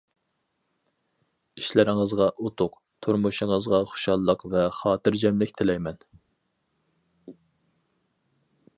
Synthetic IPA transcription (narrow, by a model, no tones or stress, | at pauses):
iʃlæɾɪŋəzʁɑʔut̪ʰʊq | t̪ʰuɾmuʃəŋəzʁɑχo̥ʃɑlˠːəqvɛχɑːt̪ɨɾd͡ʒɛmlɪkʲt̪ʰɪlɛjmɛn